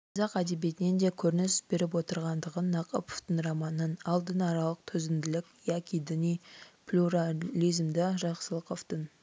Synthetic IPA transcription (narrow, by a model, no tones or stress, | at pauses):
qʰɑzɑqæd̪e̞be̞t̪ɪnend̪e̞kʲʰɵɾɪnɪsbe̞ɾɪp̬wo̞t̪əɾʁɑnd̪əʁənːɑqʰo̰po̥ft̪ənrɑmɑnənɑlˠd̪ənɑɾɑlˠəq̚t̪ʰʏzɪnd̪ɪlɪkʲjɑkʲid̪ənʲijplʲuɾalʲijzmd̪ɪʒɑqsəlˠəqoft̪ən